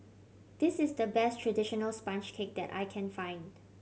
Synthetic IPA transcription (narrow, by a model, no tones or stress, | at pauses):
d̥ɪsɪsdəbɛstʰɹadiʃɔnəlspãnt͡ʃkʰek̚dɛ̰ta̰jkʰɛ̃nfãɪ̃nd